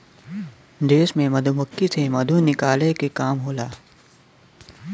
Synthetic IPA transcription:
d̪eːʃmẽmɐd̪ʱumɐkːisemɐd̪ʱunɪkaːlekekaːmɦoːlaː

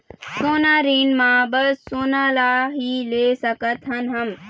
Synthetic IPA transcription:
soːnaɾiːnmãːbəsːoːnalaːɦileːsəkət̪ɦənɦəm

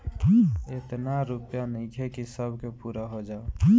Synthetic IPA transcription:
et̪naɾupjanəɪ̃kʰekisəbʱkepuɾaɦod͡ʒao

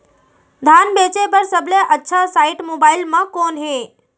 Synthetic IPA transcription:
d̪ʱanbet͡ʃepəɾsəbleʔətːʃʰasaiʈmobailmãkonɦe

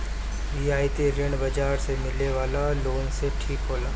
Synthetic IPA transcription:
ʋiːaːjt̪eɾɪɳbɐd͡ʒaːɾsemɪleʋaːlaloːnseʈʰiːkɦoːlaː

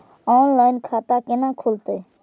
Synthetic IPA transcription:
oːnlaːɪnkʰaːt̪aːkɪnãːkʰʊlt̪eː

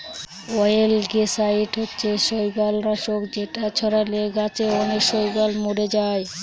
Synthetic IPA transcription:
ɔjelɡesaiʈɦotːɕʰeʃojbalɾaʃokd͡ʑeʈat͡ɕʰɔɾaleɡat͡ɕeɔneʃojɡalmuɽed͡ʑaj

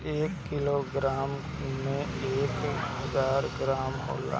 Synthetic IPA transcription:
eːkːɪloɡɾaːm | mẽeːkɦəzaːɾɡɾaːmɦo̰ːla̰ː

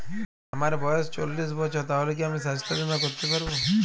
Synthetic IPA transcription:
amaɾebɔjɔst͡ʃolːisbɔt͡ʃʰɔt̪aɦolekiamisast̪ʰad̪inakoɾt̪epaɾbo

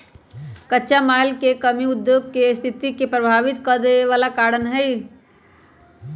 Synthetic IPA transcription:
kətːʃamaːlkekəmiʊd̪joːɡkest̪ʰɪt̪ikepɾəbʱaːʋɪt̪kəd̪eʋaːlakaːɾənɦɛi

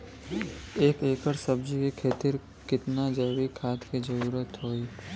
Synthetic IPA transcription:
eːkeːkəɾsəbd͡ʒikikʰeːt̪ɪɾ | kɪt̪nad͡ʒɐjʋikʰaːt̪kid͡ʒɐɾuːɾət̪ɦoːi

